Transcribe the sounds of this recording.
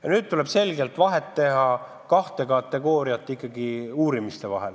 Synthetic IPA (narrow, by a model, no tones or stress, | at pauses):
jɑnyːd̪̥̚t̪ule̞b̥se̞lɡelt̪ːˑvɑɦet̪ːe̞ɦɑ | kɑht̪e̞kɑt̪ːˑe̞ɡo̞ːɾiɑt̪ːˑikːˑɑɡiuːɾimist̪e̞vɑɦel